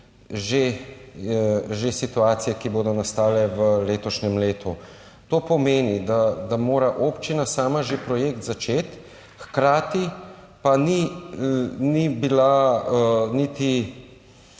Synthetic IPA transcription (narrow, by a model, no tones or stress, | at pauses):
ʒe | ʒesit̪uaːt̪sijɛkiboːd̪ɔnast̪aːlɛʋəleːt̪ɔʃnɛmleːt̪u | t̪oːpɔmeːnid̪ad̪amoːɾaʔoːpt͡ʃinasaːmaʒepɾɔjeːkt̪zat͡ʃeːt̪ | xkɾaːt̪i | pani | nibila | nit̪i